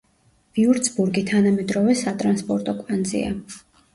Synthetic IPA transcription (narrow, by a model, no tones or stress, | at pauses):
viuɾd̪sbuɾɡit̪ʰanamɛd̪ɾɔvɛsat̪ʼɾanspʼɔɾt̪ʼɔkʼand̪zḭa̰